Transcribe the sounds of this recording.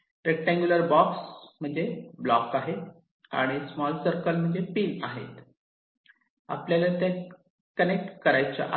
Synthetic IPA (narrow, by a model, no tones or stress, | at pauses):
ɾek̚ʈãŋɡjuləɾbɔksm̤əɳd͡zeblɔkaɦe | a̰ɽ̃ismɔlsəɾkəlm̤əɳd͡zepiːnaɦḛt̪ | a̰pljalat̪ja | kənek̚ʈkəɾajt͡ɕa̰ʔa